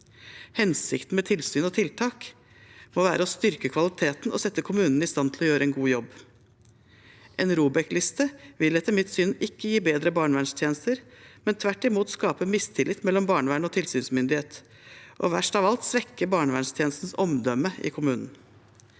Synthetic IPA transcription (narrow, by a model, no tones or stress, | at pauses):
hɛnsɪkt̪n̩mɛt̪ʰɪlsyːnɔt̪ʰɪlt̪ʰɑːk | moːʋæːɾəɔst̪ʏɾkəkʰʋɑlɪt̪ʰeːt̪nɔ̰sɛt̪ːəkʰʊmʉːnn̩ɪst̪ɑnt̪ʰɪlɔjøːɾəɛnɡuːjɔbː | ʔenɾuːbɛklɪst̪əʋɪlɛt̪ːəmɪt̪sʏnɪkːəjiːbeːd̪ɾəbɑːɳəʋæɳʂt̪ʰjeːnəst̪əɾmɛnt̪ʰʋæʈːɪmuːt̪skɑːpəmɪst̪ʰɪlɪt̪mɛlːɔmbɑːɳəʋæɳɔt̪ʰɪlsyːnsmʏnd̪ɪheːt̪ | ʔɔ̰ʋæʂʈɑːʋɑlt̪sʋɛkːəbɑːɳəʋæɳʂt̪ʰjeːnst̪n̩sɔmd̪œməɪ̰kʰʊmʉːnn̩